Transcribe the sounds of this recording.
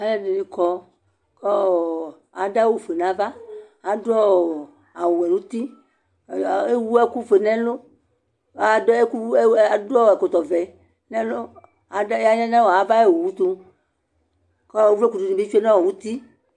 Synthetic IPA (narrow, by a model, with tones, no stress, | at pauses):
a˦lɛ˦de˨ni˨kɔ˦ | kɔ˦˨ | a˨da˦wu˦˨fe˨nã˨˦va˦ | a˨dɔ˦˨ | a˨wu˨ɛ˨nũ˦t̪i˦˨ | e˦wu˦ɛ˦ku˦fe˨nɛ̃˦lo˦˨ | de˦ku˦a˨dɔ˦˨ɛ˨ko˨t̪ɔ˨vɛ˨ | nɛ̃˦lo˦ | a˨˦a˦ɲɛ̃˦nã˦wɔ˨a˨va˦e˦˨wo˨wu˦t̪o˦ | kɔ˦˨wvle˦ku˨du˨nĩ˨e˦fi˦e˦nã˦wɔ˨wu˦t̪i˦